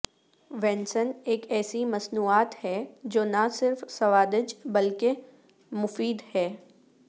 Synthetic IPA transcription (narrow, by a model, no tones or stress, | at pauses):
ʋɛ̃ːnsəneːkɛːsimɐsnuːaːt̪hɛd͡ʒoːnɐsɪɾfsɐʋaːd̪ɪd͡ʒbɐlke | mʊfiːd̪hɛː